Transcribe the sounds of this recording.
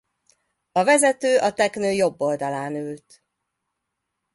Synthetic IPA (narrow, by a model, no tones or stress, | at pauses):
ɒvɛzɛt̪øːʔɒt̪ɛknøːjo̞bːo̞ld̪ɒlaːnylt̪